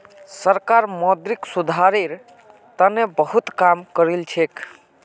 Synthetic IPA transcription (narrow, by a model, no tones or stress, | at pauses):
səɾkaɾmɔd̪ɾiksud̪ʱaɾiɾ | t̪ənebəɦut̪kamkəɾilt͡ʃʰek